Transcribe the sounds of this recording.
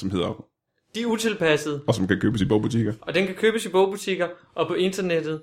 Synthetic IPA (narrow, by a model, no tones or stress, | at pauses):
sɒ̽mhe̝ð̞̰ˠɐ | d̥iæɐut͡sʰe̝lpʰæsəð̩ˠɒ̽sɒ̽mkʰækʰøːb̥əsibɔʊb̥ut͡sʰiɡ̥ɐɒ̽d̥enkʰækʰøːb̥əsib̥ɔʊb̥ut͡sʰiɡ̥ɐ | ʔɒ̽pʰɒ̽e̝nd̥ɐned̥ð̩ˠ